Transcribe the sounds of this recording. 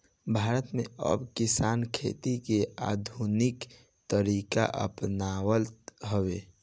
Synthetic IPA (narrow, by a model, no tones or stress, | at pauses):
bʱaːɾət̪mẽə̰bkɪsaːnkʰḛt̪ikea̰ːd̪ʱunɪk | t̪əɾiːka̰ʔə̰pnawəlt̪ɦəwe